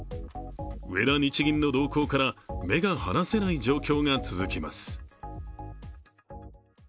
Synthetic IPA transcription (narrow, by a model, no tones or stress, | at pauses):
ɯe̞̰d̪aɲit͡ɕiɡʲĩnːo̞d̪o̞ːko̞ːkaɾame̞ɡahanase̞naid͡ʑo̞ːkʲo̞ːŋat͡sɨzɨkʲima̰sɨ̥